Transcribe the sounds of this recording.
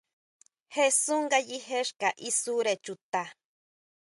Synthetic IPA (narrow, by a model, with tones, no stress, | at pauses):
he˦su˦ŋɡa˦jihe˦ʃka˨ʔisu˦ɾe˨t͡ʃu˨t̪a˨